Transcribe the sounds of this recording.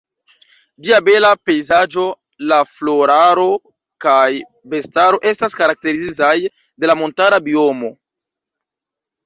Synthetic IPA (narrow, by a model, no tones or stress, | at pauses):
d͡ʒiabe̞lape̞jzad͡ʒo̞ | laflo̞ɾaɾo̞ | kaj | be̞staɾo̞ʔe̞staskaɾak̚te̞ɾizizaj | de̞lamo̞ntaɾabio̞mo̞